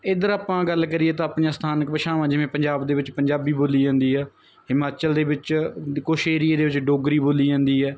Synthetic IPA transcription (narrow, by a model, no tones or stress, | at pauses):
ɪd̪əɾaːpãːɡəlkəɾiːɛːt̪ãːpɳjaːsət̪ʰaːnəkpəʃaːʋãːd͡ʒɪʋẽːpəɲd͡ʒaːbd̪eːʋɪt͡ʃpəɲd͡ʒaːbiːboːliːd͡ʒãːnd̪iːɦɛː | ɦɪmaːt͡ʃəld̪eːʋɪt͡ʃkoːʃeːɾieːd̪eːʋɪt͡ʃɖoːɡɾiːboːliːd͡ʒãːnd̪iːɦɛː